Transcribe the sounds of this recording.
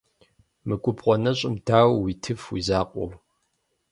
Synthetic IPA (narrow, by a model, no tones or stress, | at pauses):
mɨkʷʼʊpqʷɔnɐɕʼɪmdaːwwitʰɨfwḭzaːqʷʼʊ̰ʁ